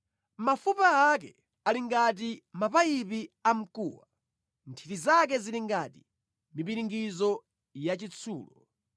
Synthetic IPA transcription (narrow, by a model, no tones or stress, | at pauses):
mafupaakɛ | aliŋɡat̬imapaipiam̩kṵːwa | ntʰitizak̬ɛziliŋɡati̥ | mipiɾiŋɡizɔ | jat͡ʃit͡sʰṵːlɔ